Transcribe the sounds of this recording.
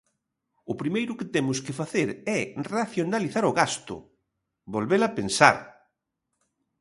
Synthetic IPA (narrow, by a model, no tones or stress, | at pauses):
ʊpɾimejɾʊkɪt̪emʊskɪfaθeɾɛraθjonaliθaɾʊɣast̪ʊ̰ | bolβelapensa̰ɾ